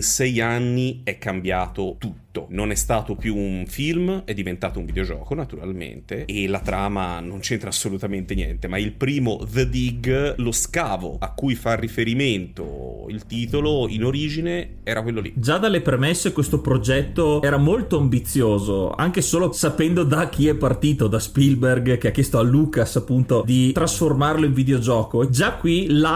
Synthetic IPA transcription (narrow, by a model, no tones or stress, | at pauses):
sɛjanːiɛkːambjaːt̪ot̪ut̪ːononɛst̪aːt̪opjuːnfilmɛd̪ːivent̪aːt̪oũɱvid̪eod͡ʒɔːkonat̪uɾa̰lmḛnt̪eːlːat̪ɾʔaːma̰nont͡ʃɛnt̪ɾaːsːolut̪ament̪enjɛ̰nt̪emailpɾiːmoðəd̪iɡloskaːvo̰akːujfarːifeɾiment̪o̰ | ḭlt̪iːt̪oloḭnoɾiːd͡ʒine | ɛːɾakwelːolḭd͡ʒad̪alːepɾemesːekwest̪opɾod͡ʒɛt̪ːoɛːɾamolt̪oambit̪sːjoːzo̰a̰ŋk̟esoːlosapɛnd̪od̪ak̟ːiɛpːart̪iːt̪od̪aspilberɡk̟eak̟ːjɛst̪oalːuːkasapːunt̪od̪it̪ɾasformarloiɱvid̪eod͡ʒɔːkoed͡ʒakːwila